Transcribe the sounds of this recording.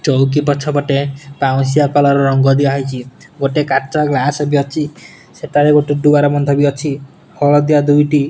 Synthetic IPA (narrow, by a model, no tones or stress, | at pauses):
t͡ʃowk̬ipɔt͡ʃʰɔpɔʈepaw̃sijakɔlɔɾɔɾɔŋɡɔd̪iaɦɔjt͡ʃʰi | ɡoʈekat͡ʃɔɡlasɔbiɔt͡ʃʰi | seʈaɾeɡoʈeɖuaɾɔmɔnd̪ʱɔbiɔt͡ʃʰi | hɔɭɔd̪iad̪ujʈi